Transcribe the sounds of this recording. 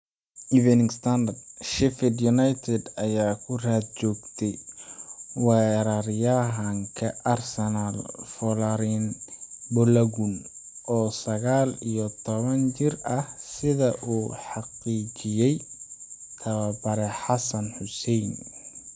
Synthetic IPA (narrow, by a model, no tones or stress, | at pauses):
ʔɪvɛnɪŋst̪ʰand̪ɐrdʃɪfɪd̪jʊnajt̪ʰɛd̪ɐjaːkʰʊraːd̪̚t͡ʃɔːɡt̪ʰɛj | wɛɾɐɾjaɦɐŋkʰɐʔɐrsɛnalfɔlaɾinbʊlɐɣun | ʔɔːsɐɣaːlijɔt̪ʰɔβɐnt͡ʃɪrɐhsɪðɐʔuːħɑqiːt͡ʃɪjɛj | t̪ʰɐwabɐɾɛħɑsɐnħʊsɛjn